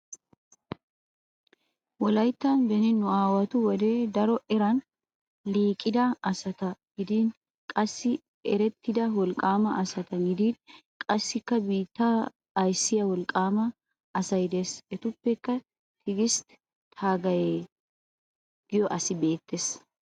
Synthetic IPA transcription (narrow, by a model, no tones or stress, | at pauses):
wɔlɐjt̪ːɐnbɛnɪnːʊaːwɐt̪ʊwɔd̪eːd̪ɐɾɔʔɛɾɐn | liːkʼːɪd̪ɐɐsɐt̪ɐɡ̥ɪd̪iːn | kʼɐsːɪ | ɛɾɛt̪ːɪd̪ɐwɔlkʼaːmɐʔɐsɐt̪ɐɡɪd̪iːn | kʼɐsːɪkːɐbiːt̪ːɐː | jsːɪjɐwɔlkʼːaːmɐː | sɐjd̪eːsɛt̪ʊpːɛkːɐ | t̪ʰɪɡɪst̪ | t̪ʰaːɡɐjeː | ɡ̥ɪjɔʔɐsɪbe̞ːt̪ːeːs